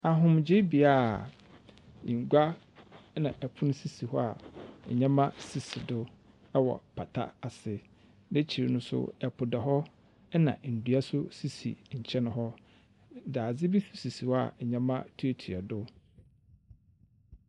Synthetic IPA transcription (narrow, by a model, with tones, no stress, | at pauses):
a˨ɦʊ̃˨md͡ʑɪ˦bi˨a˦˨ | ḭ˨ŋ̩˨ɡʷa˦ | nã˨ʔɛ˨pʰʊ˦ñ˦si˨si˨hɔ˦a̰˨ɛ̰˨ɲã˦mã˦si˨si˨dʊ˦ | ɛ˦wɔ̰˨pʰa˨tʰa̰˦a˨sɪ˨ | ne˦t͡ɕʰi˨ɾɪ˨nʊ̃˦sʊ̰˦ɛ˨pʰʊ˨da˨ɦɔ˦ | ɛ˦nã̰˨n̩˨du˨a˦sʊ˦si˦sḭ˨ɲ̩˨t͡ɕʰɛ˦nʊ̃˨ɦɔ˦ | daː˨d͡zɪ˦bi˦su˨si˨si˨hɔ˦a̰˨ɛ˨ɲã˦mã̰˦tʰu˦o˦tʰu˨a˨dʊ˦